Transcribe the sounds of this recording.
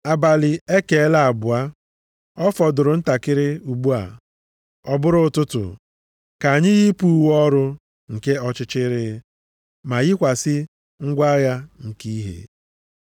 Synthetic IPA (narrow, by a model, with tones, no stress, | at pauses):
a˨ba˨lɪ˨e˦ke˨e˦la˨a˨bʊ˨a˦ | ɔ˦fɔ˨dʊ˨ɾʊ˨n̩˦ta˨kɪ˦ɾɪ˦u˨ɡ͡bu˦a̰˨ | ɔ˦bʊ˦ɾʊ˦˨tʊ˦tʊ̰˨ | ka˨a˨ɲɪ˦ɣi˦pu˦˨wɔ˦ɾʊ˦ | ŋ̩˨ke˦ɔ˦t͡ʃɪ˦t͡ʃɪ˦ɾɪ˦ | ma˨ɣi˦kʷa˨sɪ˦ | ŋ̩˦ɡʷa˦ja˦ŋ̩˨ki˦i˦ɦḛ˨